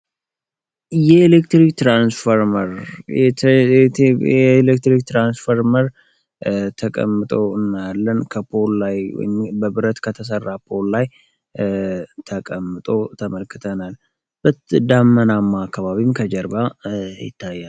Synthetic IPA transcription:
jɛelekt̪ɾikt̪ɾansfəɾməɾ | elekt̪ɾik̚t̪ɾansfəɾməɾ | t̪ʰəkʼə̰mːɨt̪ʼo̞ɨnːalːənkʰəpʰo̞llajw̰jɪmbəbɨɾət̪kʰət̪ʰəs̬ərːapʰo̞llaj | t̪ʰəkʼəmːɨt̪ʼo̞t̪ʰəməlkːɨt̪ʰənal | b̥ɨt̪d̪amːənamːaːkːaβaβimkʰəd͡ʒəɾbajɪ̰t̪ʰːajːal

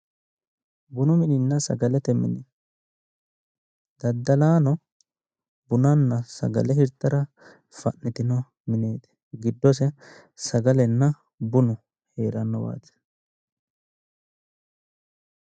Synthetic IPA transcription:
bʊnʊmɪnɪnːɐsɐ̰ɡɐlɛt̪ɛmɪnɪ | d̪ɐd̪ːɐlaːnɔ | bʊnɐnːɐsɐ̰ɡɐ̰lɛhɪɾt̪ːɐɾɐ | fɐnːɪt̪ɪnɔ | mɪneːt̪ɛ̥ | ɡɪd̪ːɔs̬ɛ | sɐɡɐlɛnːɐ | bʊnʊ | he̞ːɾɐnːɔwa̰ːt̪ɛ̥

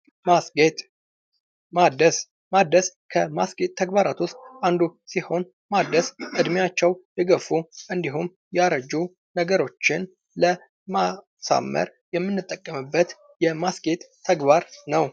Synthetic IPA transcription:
maɡet̪ʼ | mad̪əs | mad̪əskʰəmasɡet̪ʰːəɡbaɾat̪ʰust̪and̪usiho̞n | mad̪ːəsʔɨd̪mjat͡ʃːɛwlɨɡəfuʔɨnd̪iɦum | jaɾəd͡ʒu | nəɡəɾo̞t͡ʃːɪn | lə | ma | sa̰mːə̰ɾ | jɛmːɨnːɨt̪ʼːəkʼːəmɨbːət̪ | jɛmasɡet̪ʼʰːəɡbaɾnəw

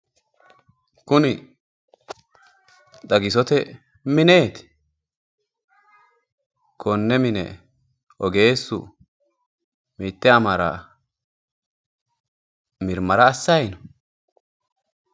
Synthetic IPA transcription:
kʊnɪ | d̪ɐɡɪsɔt̪ɛ | mɪne̞ːt̪ɪ̥ | kʰɔnːɛmɪnɛ̰ | ɔɡe̞ːsːʊ̰ | miːt̪ːɛɐmɐɾa̰ | mɪɾmɐɾɐːsːɐjnɔ

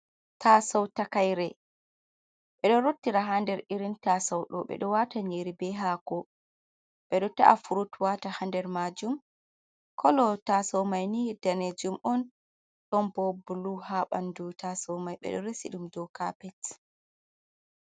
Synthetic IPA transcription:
tʰasawtakajɾɛ | ɓɛɗɔɾotːiɾaɦandɛɾiɾintasawɗɔɓɛ̰ɗɔwataɲeɾibɛɦaːkɔ | ɓɛɗɔtaʔafuɾutwatahandɛɾmad͡ʒum | kʰɔlɔtasɔwmajnihɛdaned͡ʒumʔɔn | ɗɔmbɔbuluhaɓa̰ndutasɔwmajɓɛ̰ɗɔ̰ɾesiɗumdɔkapɛt

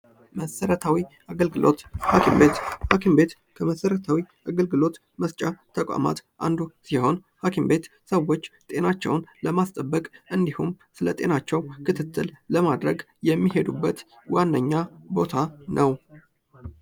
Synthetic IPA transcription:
məsəɾət̪ʰawiʔaɡəlɡɨlʔo̞̰t̪hakʰimbe̞t̪hakʰimbe̞t̪ | kʰəməsəɾət̪ʰawiʔaɡəlɡɨlo̞t̪ | məst͡ʃʼat̪ʰːəkʼa̰ma̰t̪ʔa̰nd̪usiho̞nhakʰimbe̞t̪səwo̞t͡ʃːt̪ʼe̞nat͡ʃːɛ̰wnləmast̪ʼəbːəkʼʔɨnd̪ihum | sɨlət̪ʼe̞nat͡ʃːɛwkʰɨt̪ʰɨt̪ːɨlləmad̪ɾəɡ | jɛmːihe̞d̪ubːət̪ | wanːəɲːabo̞t̪ʰanʔəw

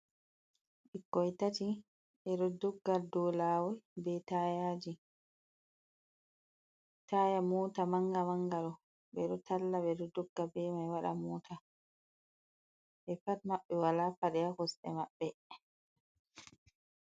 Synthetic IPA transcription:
ʔɛkɔjtati | ʔɛɗɔdɔɡːaɾdɔlaːwɔjbɛtajaːd͡ʒi | taːjamɔːtamaŋɡamaŋɡaɾɔ | bɛɗɔtʰalːaɓɛɗɔdɔɡːabɛmajwaɗa̰mɔːtʰa | ʔɛfatmaɓːɛwalafaɗɛjakɔsɛ̰maɓːɛ

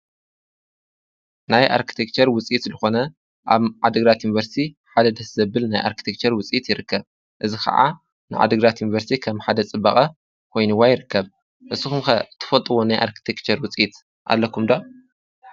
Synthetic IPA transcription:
najʔa̰ɾkʰi̥t̪ʰek̚t͡ʃʰɐɾwʊt͡sʼit̪lɨxo̞nɐ | ʔaβʕad̪ɨɡɾat̪junvɐɾst̪ʰi | ħad̪ɐd̪ɐszɐbɨlnajʔa̰ɾkʰi̥t̪ʰekt͡ʃʰɐɾwʊt͡sʼjit̪jɪɾɨkʰːɐβ | ʔɨzixʰɐ̰ʕa̰ | nɨʕa̰d̪ɨɡɾat̪junvɐɾst̪ʰikʰɐmħad̪ɐt͡sʼɨbːɐχʼɐ | kʰo̞jnɨwajɪɾɨkʰːɐβ | ʔɨsɨxumxɐɨt̪ʰːɨ̥fɐt̪ʼɨwonajʔa̰ɾkʰi̥t̪ʰekt͡ʃʰɐɾwʊt͡sʼit̪ | ʔa̰lːɐkʰumd̪o

